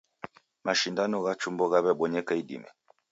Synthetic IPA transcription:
maʃindanɔɣat͡ʃumbɔɣaβɛɓɔɲɛkaiɗḭmɛ̰

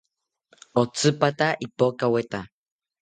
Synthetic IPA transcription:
ot͡sɨpat̪aʔipokawet̪a

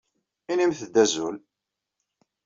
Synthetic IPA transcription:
inimθəd̪ːæzul

